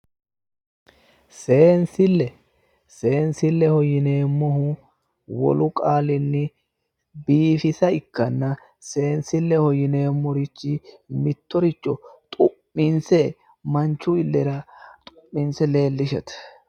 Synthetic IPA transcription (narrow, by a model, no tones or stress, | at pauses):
se̞ːnsɪlːɛ | se̞ːnsɪlːɛhɔjɪne̞ːmːɔhʊ | wɔ̰lʊkʼaːlɪnːɪ | biːfɪsɐɪkːɐnːɐ | se̞ːnsɪlːɛhɔjɪne̞ːmːɔɾɪt͡ʃːɪmɪt̪ːɔɾɪt͡ʃːɔt̪ʼʊpːɪnsɛ | mɐnt͡ʃːʊɪlːɛɾɐt̪ʼʊpːɪnsɛle̞ːlːɪʃɛt̪